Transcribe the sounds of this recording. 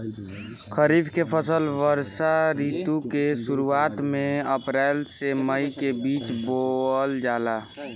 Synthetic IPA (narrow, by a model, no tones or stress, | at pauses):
kʰəɾibʱkepʰəsəlʋəɾʃaɾit̪ukesuɾuat̪meəpɾɛlseməikebiːt͡ʃboəld͡ʒala